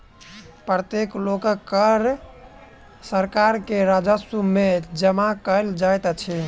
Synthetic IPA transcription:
pɾət̪eklokkəɾ | səɾkaɾkeɾad͡ʒəsumed͡ʒəmakəld͡ʒajt̪t͡ʃʰɛ

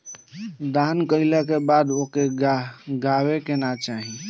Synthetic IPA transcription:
d̪ankələkebad̪okeɡaɡawekenat͡ʃaɦi

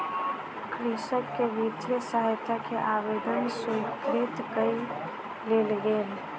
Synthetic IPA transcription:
kɾisəkːebit̪əsaɦet̪ʰːakeʔabed̪ənsuikɾit̪kəi | lelɡeːl

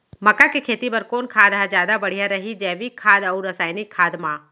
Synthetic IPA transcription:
mɐkːakekʰeːt̪ipɐɾkoːnkʰaːd̪ɦad͡ʒjaːd̪abɐɽ̤ijaɾɐɦid͡ʒɛːʋikʰːaːd̪ɐuɾɐsaːjnikʰːaːd̪mãː

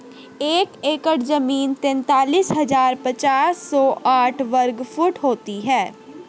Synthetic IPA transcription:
eːkeːkəʈzəmiːnt̪ɛ̃nt̪aːliːsɦɐzaːɾpɐt͡ʃaːsːɔːʔaːʈʰʋəɾɡfʰʊʈɦoːt̪iɦɛː

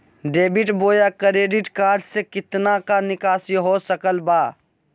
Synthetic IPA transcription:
ɖeːbɪʈboːjakɾeːɖɪʈkaːɾɖsekɪt̪nakanɪkaːsiɦosəkəlbaː

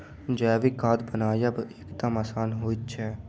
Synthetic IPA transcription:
d͡ʒɛːʋikaːd̪bənaːjabʔekd̪əmasaːnɦoːit͡ʃʰɛː

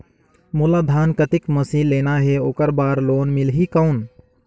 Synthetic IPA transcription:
mulad̪ʱaːnkət̪ɪkməsiːlːeːnaɦeoːkəɾbaːɾloːnmɪlɦikəʊn

